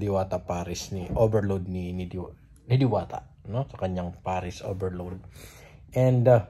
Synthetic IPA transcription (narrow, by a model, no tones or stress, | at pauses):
d̪ɪwaːt̪ɐpaːɾɪsniʔoːbɛɹlod̪̚ninid̪ | nid̪ɪwaːt̪ɐ̰ʔ | nosɐkɐɲːaŋpaːɾɪsʔo̰ːbɛɹlod̪̚ | ʔɛnd̪